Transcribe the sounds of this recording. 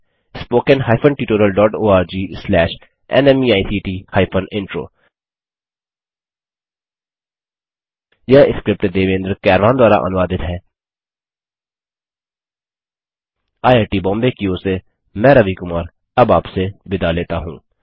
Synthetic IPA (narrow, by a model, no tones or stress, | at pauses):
ɪspoːkənɦaːɪfʰənʈiːʈoːɾəlɖɔːʈoːaːɾd͡ʒiːslɛːʃ | ɛ̰nɛmiaːisʰiːʈiːhaːɪpʰənɪ̃ɳʈɾo̰ː | jɐɪskɾɪp̚ʈd̪eːʋẽːnd̪ɾkɛːɾʋaːnd̪waːɾa̰ʔɐ̰nʊʋaːd̪ɪt̪ɦɛː | aːjeːɾʈiːbɔ̃ːmbekioːse | mɛ̃ːɾɐʋikʊmaːɾ | ɐbaːpsebɪd̪aleːt̪aɦũː